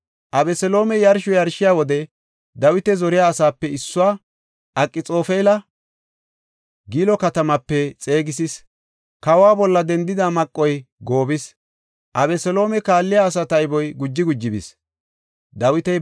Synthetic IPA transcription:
ʔɐbɛsɛlo̞ːmɛjɐɾʃɔjɐɾʃɪjaːwɔd̪ɛ | d̪ɐwɪt̪ɛzɔɾɪjaːsaːpːɛɪsːʊwaː | ʔɐkʼːɪt͡sʼo̞ːfeːlɐ | ɡiːlɔkɐt̪ɐmɐpːɛt͡sʼe̞ːɡɪsis | kɐwaːbɔlːɐd̪ɛnd̪ɪd̪amɐkʼːɔjɡo̞ːbɪs | ʔɐbɛsɛlo̞ːmɛkaːlːɪjaːs̬ɐt̪ɐɪbɔjɡʊd͡ʒːɪɡʊd͡ʒːɪbḭs | d̪ɐwɪt̪ɛ

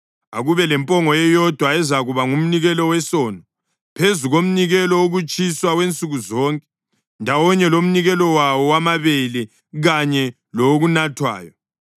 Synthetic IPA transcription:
aɣuβɛlɛmpʼɔŋɔjɛjɔd̥ʱwaɛzaɣuβaŋum̩niɣɛlɔwɛsɔːnɔ | pʰezuɣom̩niɣɛlɔoɣut͡ʃʼiswawent͡sʼuɣuzɔːŋkʼɛ | ndʱawɔɲɛlom̩niɣɛlɔwawɔwamaβelɛ | ɣaɲɛ | looɣunatʰwa̰ːjɔ

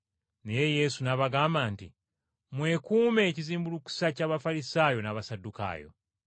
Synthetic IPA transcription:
ne̞je̞je̞sunaβaɡaːmbaːnti | mwe̞kuːme̞ːciziːmbuluku̥sacaːβafaɾisaːjo̞naβasadːuka̰ːjo̰

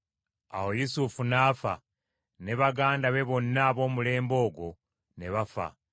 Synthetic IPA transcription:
a̰wo̞jusufunaːfa̰ | ne̞βaɡaːndaβe̞βo̞nːaːβo̞ːmule̞ːmbo̞ːɡo̞ | ne̞βafa̰

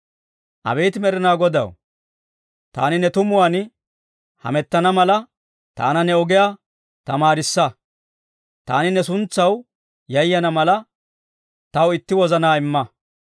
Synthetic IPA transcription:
ʔɐ̰bɛjt̪ɪmɛɾɪnaːɡɔd̪ɐ̰w | t̪a̰ːnɪnɛt̪ʊmʊwan | hɐ̰mɛt̪ːɐnɐmɐlɐ | t̪a̰ːnɐnɛɔɡɛjaː | t̪ɐmaːɾɪsːɐ | t̪a̰ːnɪnɛsʊnt͡sːɐw | jɐjːɐnɐmɐlɐ | t̪ɐwɪt̪ːɪwɔzɐnaːɪmːɐ

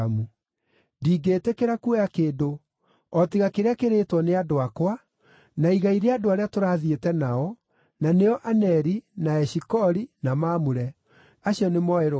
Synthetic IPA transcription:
mu | diːɡeːtekeɾakuɛjakeːdo | ɔtiɣakeɾeakeɾetwɔneadoakwa | naiɣaiɾeadoaɾeatoɾaːðietɛnaɔ | naneɔʔanɛɾinaɛɕikɔɾinamaːmuɾɛ | aɕjɔnemɔeɾ

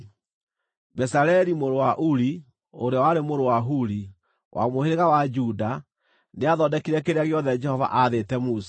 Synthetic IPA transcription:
bɛsaɾɛɾimoɾowaʔuɾi | oɾeawaɾemoɾowaɦuɾi | wʔa̰moheɾeɣawad͡ʒuda | neaðɔdɛkiɾɛkeɾeaɣeɔðɛd͡ʒɛhɔva̰ʔaðetɛmusḁ

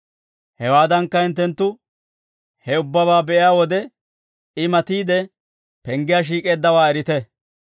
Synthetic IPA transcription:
hɛwaːd̪ɐŋkːɐɪnt̪ːɛnt̪ːʊ | hɛʊbːɐbaːbɛʔɪjaːwɔd̪ɛ | ɪmɐt̪iːd̪ɛ | pɛŋɡɪjaːʃ̬iːkʼe̞ːd̪ːɐwaːɛɾɪt̪ɛ

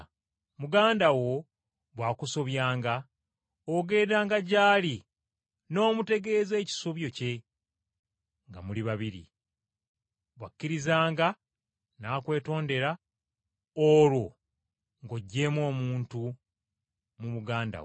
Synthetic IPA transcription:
muɡaːndawo̞ | βwaːkuso̞βjaːŋɡa | oɡe̞ːdaːŋɡaɟaːli | no̞ːmute̞ɡe̞ːze̞ːci̥soβjo̞ce̞ | ŋɡa̰muliβaβiɾḭ | βwakːiɾizaːŋɡa | naːkwe̞ːto̞ːnde̞ɾa | olwo̞ | ŋɡoɟːe̞ːmwo̞ːmuːntu | muβuɡaːnda̰w

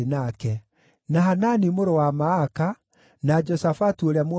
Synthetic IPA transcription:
enakɛ | naɦananimoɾowamaːka | nad͡ʒɔsafatuoɾeamw

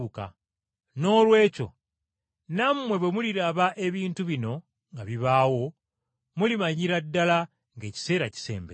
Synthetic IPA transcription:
ka̰ | no̞ːlwe̞ːco̞̰ | namːwe̞βwe̞muliɾaβaʔe̞βiːntuβino̞ | ŋɡaβiβaːwo̞ | mulimaɲiɾadːala | ŋɡe̞ːci̥se̞ːɾaci̥se̞̰ːmbe

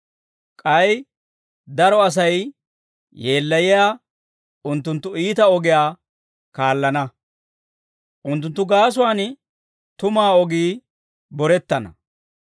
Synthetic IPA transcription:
kʼɐj | d̪ɐɾɔɐs̬ɐj | je̞ːlːɐjɪjaː | ʊnt̪ːʊnt̪ːʊiːt̪ɐɔɡɪjaː | kaːlːɐnɐ | ʔʊnt̪̬ːʊnt̪ːʊɡaːs̬ʊwaːn | t̪ʊmaːɔɡiː | bɔɾɛt̪ːɐnɐ̰

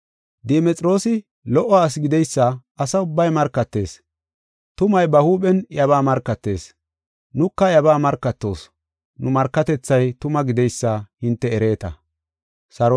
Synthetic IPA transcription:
d̪ɛmɛt͡sʼɾo̞ːsɪ | lɔʔɔːs̬ɡɪd̪ɛjsːɐɐsɐʊbːɐjmɐɾkːɐt̪ːe̞̰ːs | t̪ʊmɐjbɐhuːɓɛnjɐβaːmɐɾkːɐt̪ːe̞̰ːs | nʊkːɐjɐβaːmɐɾkːɐt̪ːo̞̰ːs | nʊmɐɾkːɐt̪ɛt͡sːɐjt̪ʊmɐɡɪd̪ɛjsːɐhɪnt̪ːɛːɾe̞ːt̪ɐ | sɐɾ

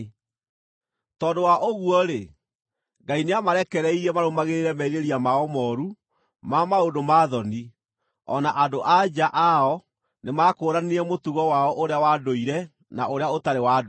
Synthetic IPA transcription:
tɔːdowaʔoɣuɔɾe | ɡaineamaɾɛkɛɾɛiɾɛmaɾomaɣeɾeɾɛmɛiɾeɾiamaɔmɔːɾu | mamaodomaːðɔni | ɔ̰naʔadoʔad͡ʑaʔaɔ | nemaːkoːɾaniɛmotuɣɔwaɔʔoɾeawadoiɾɛ | naoɾeaotaɾewad

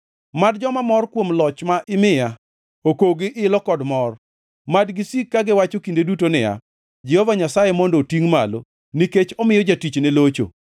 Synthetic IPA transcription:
madd͡ʒɔmamɔrkwomlɔt͡ʃmaʔɪmɪja | okoɡɪʔɪlɔkɔdmɔr | madɡisikːaɡɪwat͡ʃokindedutonɪja̰ | d͡ʒɛhɔvaɲasajemɔndotiŋmalo̰ | niket͡ʃɔmɪjɔd͡ʒatit͡ʃnelot͡ʃo̰

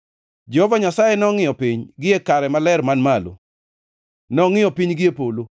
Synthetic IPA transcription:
d͡ʒɛhɔvaɲasajenɔŋɪjɔpiɲɡɪekaɾɛmalɛrmanmalo̰ | nɔŋɪjɔpiɲɡɪepolo

